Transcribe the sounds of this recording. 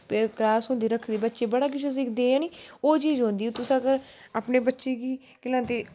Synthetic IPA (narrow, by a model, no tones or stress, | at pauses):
pːklaːsɦõːnd̪iːɾəkʰd̪iːbət̪ːʃeːbəɽaːk̬ɪt͡ʃʰəs̬ĩːk̚d̪ẽːãːniːoːt͡ʃiːzɦõːnd̪iːt̪ʊsãːkəɾ | aːpneːbətːʃeːkiː | kɪlãːt̪eː